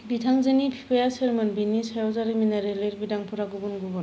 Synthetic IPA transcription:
bitʰaŋzenipʰi̥pʰejaseɾmɯnbinisajɔzaɾiminaɾeleɾbidaŋpʰuɾaɡubunɡubun

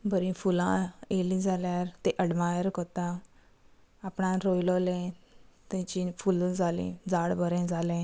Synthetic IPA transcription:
bəɾĩfulãelĩd͡zʱaljaɾt̪eʔəɽmajəɾkot̪a | apɳãɾojlolɛ̃t̪ɛ̃t͡ɕĩfuld͡zʱalḭ̃d͡zaɽbəɾẽd͡zʱalɛ̃

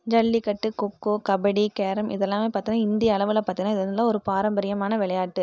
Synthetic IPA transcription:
d͡ʒɐɭːikɐʈːɯkɔkːoːkɐbɐɽikeːɾɐmʔɪ̰ðɛlːãːmeːpaːɾt̪ɪŋnaːɪnd̪ɪjɐːɭɐʋɪlɐpaːɾt̪ɪŋnaːɪðɛnɐlːãːɔɾɯpaːɾɐmbɐɾɪjɐmaːnɐʋɪɭɐjaːʈːɯ

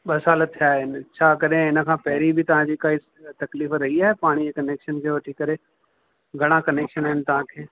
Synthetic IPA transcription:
ɓɐsaːlət̪ʰːijaːɦɪnɪt͡ɕʰaːkɐɗẽɪnə̆kʰãːpɐɦɪɾibʱɪt̪ɐʋ̤ãd͡ʑiːkaːis | t̪ɐkliːfɾɐɦiaːɦepaːɽ̃id͡ʑeːkɐneːkʃənkʰeːʋɐʈʰikɐɾe | ɡʱɐɽ̃akɐneːkʃənaːɦɪnɪt̪ɐɦãkʰeː

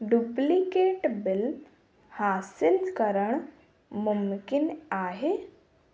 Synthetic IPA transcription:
ɖuplikeːʈbɪl | haːsilkəɾəɳ | mumkinaːɦe

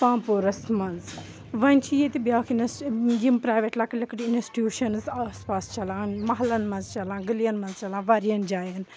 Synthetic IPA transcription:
pãːmpoːɾɐsmɐnz | ʋɐnʲt͡ʃʰijet̪ibjaːkinsjimpɾaːjʋeʈlɐklɐkʈinsi̥ʈjuːʃɐnzaːspaːst͡ʃɐlãːnmɐɦɐlɐnmɐ̃nzt͡ʃɐlãːɡəlijɐnmɐnzt͡ʃɐlãːʋɐɾiɐnd͡ʒaːjɐn

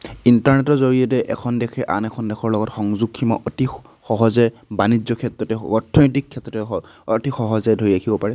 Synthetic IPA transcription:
intaɹnɛtɔɹzoɹijɔtɛʔɛkʰɔndɛkʰɛʔa̰nɛkʰɔndɛxʰɔɹlɔɡɔtxɔŋzuɡʰimɔ̰ʔɔti | xɔɦɔzɛ | banid͡ʒjɔkʰɛtɹɔtɛɔtʰːɔntikʰːɛtɹɔtɛtixɔɦɔzɛdʱoɹiɹakʰibɔpaɹɛ

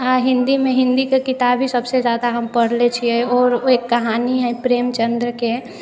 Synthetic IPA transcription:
aɦɪ̃nd̪imẽɦɪ̃nd̪ikekɪt̪abʱɦisəbsed͡ʒjaːd̪aɦəmpəɽlet͡ʃʰiɛɔːɾoekːɐɦaːniɦɛ̃pɾeːmt͡ʃə̃nd̪ɾəke

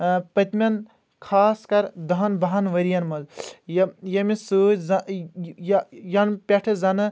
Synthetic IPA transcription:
pɐt̪ʲmʲɐn | kʰaːskɐɾd̪ɐɦɐnbɐɦɐnʋɐɾijɐnmɐzjɐjɐmisuːzɐjjɐnpʲeʈʰɨzɐnɨ

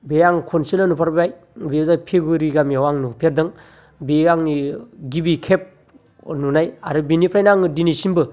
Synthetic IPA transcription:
bejaŋkʰɔnselanupʰaɾbaj | bezapʰeɡuɾiɡamiawaŋnupʰeɾdɯŋ | bejaŋniɡibikʰep̚ | nunaja̰ɾɯbinipʰɾajnaŋɯdinisinbɯ

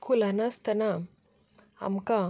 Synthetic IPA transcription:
kʰulanast̪əna | a̰mka

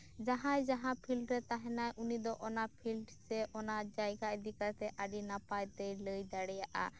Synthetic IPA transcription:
d͡ʒaɦãjd͡ʒaɦãpʰilʈɾɛt̪aɦɛ̃najʔunid̪ɔʔɔnapʰilʈsɛʔɔnad͡ʒajɡaʔd̪ikat̪ɛʔaɖinapajt̪ɛjləjd̪aɽɛjaʔa̰

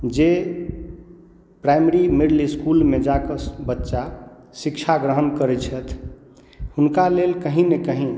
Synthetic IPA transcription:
d͡ʒe | pɾajmeɾimiɽliskulmed͡ʒakəsbətːʃa | sikt͡ʃʰaɡɾəɦənkəɾɛt͡ʃʰət̪ʰ | hunkalelkəɦĩnekəɦĩ

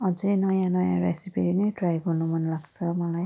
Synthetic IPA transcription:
ɔzinɔjanɔja̰ɹɛsipiɹinitɹajɡɔnumanlaɡsɔmalaj

